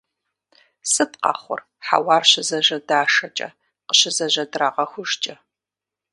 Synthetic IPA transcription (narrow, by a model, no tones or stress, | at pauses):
sɨtqɑ̰χʷʊ̰r | ħa̰wɑːrɕɪzɐʑɐdaːʂɐt͡ʃʼɐ̰ | qəɕɪzɐʑɐdraːʁɐxʷʊʒt͡ʃʼɐ